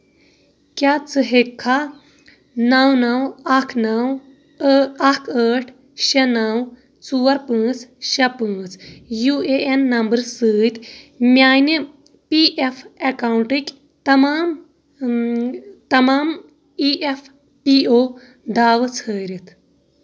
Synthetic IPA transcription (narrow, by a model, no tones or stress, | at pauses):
kʲjat͡sɨɦekʰːa | nɐwnɐwɐkʰnɐw | ɐkʰəːʈʰ | ʃɐnɐw | t͡suːɐɾpə̃ːt͡sʃɐpə̃ːt͡sjueenːɐmbəɾsɨːt̪mjaːjni | piʔefʰekaːwuɳʈikʲ | t̪ɐmaːm | t̪ɐmaːm | iʔefʰ | pioː | d̪aːʋɨt͡sʰəːɾit̪ʰ